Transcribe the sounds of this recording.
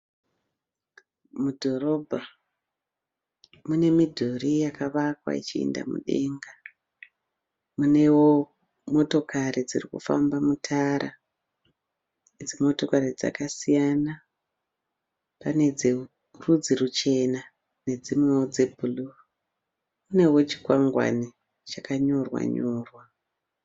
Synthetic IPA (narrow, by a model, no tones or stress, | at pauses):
mudʱo̞ɾo̞bʱa | mune̞midʱorijakaʋakwa̰ḭt͡ʃiḛnda̰mṵɗe̞̰ŋɡa | mune̞wo | mo̞to̞kʰaɾid͡zirikṵfa̰mbamutʰaːɾa | ed͡zimo̞to̞kaɾid͡za̰kasijana | pane̞d͡ze | rud͡zirut͡ʃe̞na | ne̞d͡zimwewod͡zebʱulu | mune̞wo̞t͡ʃi̥kwaŋɡwa̰ni | t͡ʃakaɲo̞rwa̰ɲoːrwa